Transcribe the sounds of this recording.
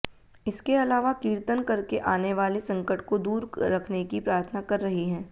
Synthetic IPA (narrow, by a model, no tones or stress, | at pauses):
ɪskeɐlaːʋakiːɾt̪ənkɐɾkeʔaːneʋaːlesɐ̃ŋkəʈkod̪uːɾɾɐkʰnekipɾaːɾt̪ʰənakɐɾːɐɦiɦɛ̃ː